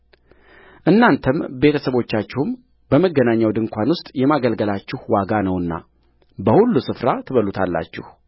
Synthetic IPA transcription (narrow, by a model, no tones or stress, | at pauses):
ʔɨnːant̪ʰəmbe̞t̪ʰəsəβo̞t͡ʃːat͡ʃːɪhʊm | bəməɡːənaɲːawd̪ɨŋkʷanwʊst̪ʼjɛmaɡəlɡəlat͡ʃːɪhwaɡanəwɨnːa̰ | bəhulːusɨfɾat̪ʰɨβəlut̪ʰalːa̰t͡ʃːɪ̰h